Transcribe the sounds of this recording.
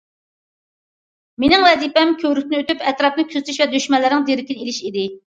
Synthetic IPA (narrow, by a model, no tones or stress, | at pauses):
menɪŋwɛzipɛmkʲʰøwɾysɪnøt̪ypɛt̪ɾɑpnɨkʲʰyzt̪ʰyʃvɛd̪øʃmɛlːɪɾɪ̃ŋd̪eɾɪkʲinɪelɪʃid̪ɪ